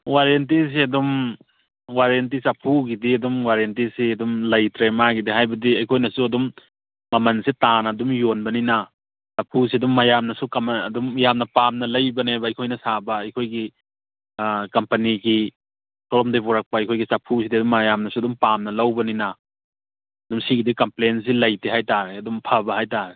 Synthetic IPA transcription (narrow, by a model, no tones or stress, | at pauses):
waɾent̬is̬iɐdum | waɾent̬isɐpʰuɡidiɐdumwaɾent̬isiɐdumlɐjtɾemaɡidiɦajbɐdiɐjkʰojnɐsuɐdumː | ɐmɐnsitanɐdumjonbɐninɐ | sɐpʰus̬iɐdumːɐjamnɐsukɐmɐdumjamnɐpamnɐlɐjbɐnebɐɐjkʰojnɐsabɐːjkʰojɡi | kɐmpɐniɡi | klɔmdebuɾak̚pɐɐjkʰojɡisɐpʰusidiɐdumːajamnɐsuɐdumpamnɐlɐwbɐninɐ | ɐdumsiɡidikɐmplens̬ilɐjtʰiɦajtaɾeɐdumpʰɐbɐhajtaɾe